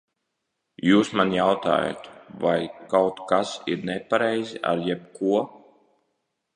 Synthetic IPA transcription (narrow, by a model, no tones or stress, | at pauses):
juːsmanjawt̪a̰ːja̰t̪vajkawt̪kasiɾnɛpaɾɛjziʔa̰ɾjɛp̚kuɔ